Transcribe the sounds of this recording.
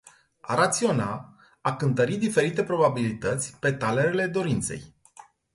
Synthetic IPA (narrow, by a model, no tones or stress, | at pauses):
a̰ɾat̪sio̞na̰ | akɨnt̪əɾit̪̚d̪ife̞ɾit̪e̞pɾo̞babilit̪ət̪sʲpe̞t̪ale̞ɾele̞d̪o̞ɾint̪se̞̰j